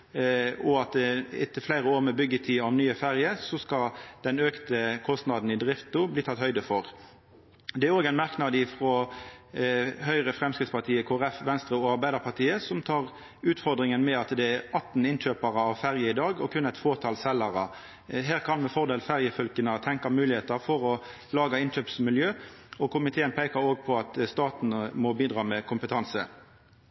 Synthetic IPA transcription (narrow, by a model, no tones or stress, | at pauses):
ʔɔɑt̪ɪ̰t̪ːəflæɪʁəoːʁmɛbʏɡːət̪ʰiːɔmnyːəfæʁjəsɔskɑd̪̥ɛnøːkt̪əkʰɔst̪nɑd̪n̩ɪd̪ʁɪft̪ʊbliːt̪ʰɑt̪hœʏd̪əfɔʁ | d̪ɛæɾoːɡæɪnmɑʁknɑd̪ɪfʁɔ | ɦœʏʁəfɾɛmskɾɪt̪spɑt̪ʰiːəkʰoːʁɛfʋɛnst̪ɾəoːɑɾʁbæɪd̪əʁpɑʁt̪ʰiːəsɔmt̪ʰɑːʁ | ʉːt̪fɔʁd̪ʁɪŋənmɛɑt̪d̪ɛæʁɑt̪ːn̩ɪnc͡çøːpɑʁəɑʋfæʁjəɪd̪ɑːɡɔkʰʉnːæɪt̪foːʁt̪ʰɑːlsɛlɑʁɑ | ɦæːʁkʰɑnmɛfɔʁd̪eːlfæʁjəfœlkənət̪ʰɛŋkɑmʉːlɪheːt̪ɑfɔʁɔ | lɑːɡɑɪnc͡çøːpsmɪljøːɔkʰʊmɪt̪ʰeːənpʰeɪkɑɾoːɡ̚pʰɔɑt̪st̪ɑːt̪n̩mɔbiːd̪ʁɑːmɛkʰʊmpət̪ʰɑnsə